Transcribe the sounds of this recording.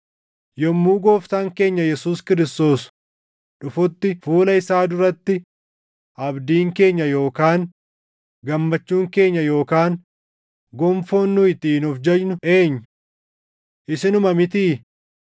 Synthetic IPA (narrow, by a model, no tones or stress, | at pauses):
jɔmːuːɡoːft̪aːŋke̞ːɲːɐjɛsuːskɪɾɪst̪o̞ːs | ᶑʊfʊt̪ːɪfuːlɐɪsaːd̪ʊɾɐt̪ːɪ | ʔɐbd̪iːŋke̞ːɲːɐjo̞ːkaːŋ | ɡɐmːɐt͡ʃːuːŋke̞ːɲːɐjo̞ːkaːŋ | ɡɔmfoːnːʊɪt̪iːnɔfd͡ʒɐd͡ʒnʊʔe̞ːɲːʊ | ʔɪsɪnʊmɐmɪt̪iː